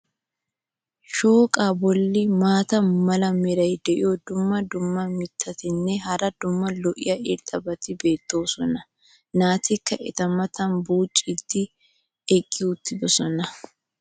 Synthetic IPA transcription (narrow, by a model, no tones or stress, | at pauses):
ʃoːkʼaːbɔlːɪmaːt̪ɐnmɐlɐmɛɾɐjd̪ɛʔɪjɔd̪ʊmːɐd̪ʊmːɐmɪt̪ʰːɐt̪ɪnːɛɦɐɾɐd̪ʊmːɐlɔʔɪ̰jɐʔɪɾt̪ʼɐbɐt̪ɪbe̞ːt̪ːo̞ːsɔnɐ | naːt̪ʰɪkːɐʔɛt̪ɐmɐt̪ɐnbuːt͡ʃʼːit̪ːɪ | ɛkʼːɪʊt̪ːɪbɔsɔnɐ